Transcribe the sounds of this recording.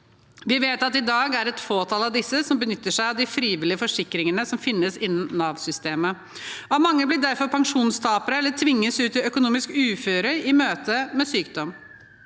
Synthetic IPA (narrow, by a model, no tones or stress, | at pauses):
ʋɪʋeːt̪ɑt̪ɪd̪ɑːɡæɾɛt̪foːt̪ʰɑːlɑʋd̪ɪsːəsɔmbənʏt̪ːəʂæɪɑʋd̪ɪfɾiːʋɪlɪəfɔʂɪkɾɪŋənəsɔmfɪnːəsɪnːənnɑːʋsʏst̪eːmə | ɑmɑŋːəblɪɖæɾfɔɾpʰɑŋʂuːnst̪ʰɑːpəɾəɛlːəʈʰʋɪŋːəsʉːt̪ɪœkʊnuːmɪskʉːføːɾəɾɪmøːt̪ʰəmɛsyːk̚d̪ɔm